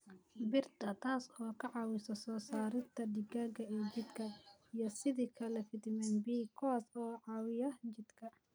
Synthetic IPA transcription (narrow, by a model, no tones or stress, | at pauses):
bɪrt̪ʰɐt̪ʰaːsɔːkʰɐʕɑːwɪsɐsɔːsaːɾɪnt̪ʰɐɖɪɡaːɡɐit͡ʃɪd̪kʰɐijɐsɪðikʰɐlɛfɪd̪ɪmɛnbiːkʰɔasɔːʕɑːwɪjɐt͡ʃɪd̪kʰɐ